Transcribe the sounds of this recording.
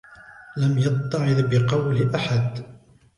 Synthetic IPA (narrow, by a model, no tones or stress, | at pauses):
lamjɑb̚t̪ˤːɑʕɪd̪bɪqɑwlʔaħad̪